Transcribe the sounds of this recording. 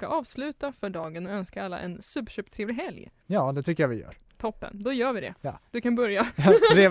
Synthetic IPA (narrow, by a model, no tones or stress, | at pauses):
kaʔɑːvslʉ̟ːt̪afœɖɑːɡənɔœnskaalːa̰ʔɛ̰nsʉ̟ːpɕøːpt̪ʰɾeːvlɪɡɦɛlj | jɑːd̪ɛt̪ʰʏkːəjavɪjœ̰ːɾ | t̪ʰɔpːə̰nd̪ɔjœːɾvɪd̪ɛ̰jɑd̪ɵkʰanbœɾjaɾeː